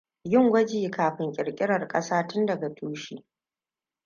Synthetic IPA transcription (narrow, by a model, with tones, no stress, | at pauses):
jɪ˦ŋɡʷɐ˦d͡ʒiː˨kaː˨ɸɪ˨ŋkʲʼɪ˨ɾkʲʼɪ˦ɽɐ˨rkʼɐ˦saː˦tʊ˦ndɐ˨ɡa˨tʰuː˦ʃiː˦